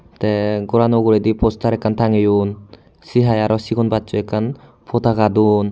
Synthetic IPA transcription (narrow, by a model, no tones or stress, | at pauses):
teɡɔɾanoɡuɾedipʰostʰaɾɛkant̪ʰaŋijun | siɦajaɾɔsiɡɔnbat͡ʃuekːan | pʰot̪ʰaɡadun